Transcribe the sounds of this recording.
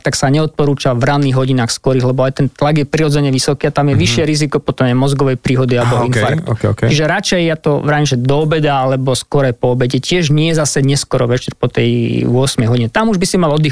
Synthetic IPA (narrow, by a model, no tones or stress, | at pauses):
t̪aksaɲɛɔt̪̚pɔɾuːt͡ʃavɾanːiːɣɦɔɟinaːxskɔɾiɣlɛbɔajt̪ɛnt̪laɡjɛpɾiɾɔd͡zɛɲɛʋisɔkiːat̪amjɛʋiʃɪɛɾizikɔpɔt̪ɔmajmɔzɡɔʋɛjpɾiːɦɔd̪ialɛbɔinffaɾkkt̪ut͡ʃiʒɛɾat͡ʃɛjːat̪ɔvɾaimʒɛd̪ɔɔbɛd̪aalɛbɔskɔɾajpɔːbɛcɛcɪɛʒɲɪɛjɛzasɛɲɛskɔɾɔʋɛt͡ʃɛɾpɔt̪ɛjʊɔsmɛjɦɔɟiɲɛt̪amuʒbisimalɔd̪i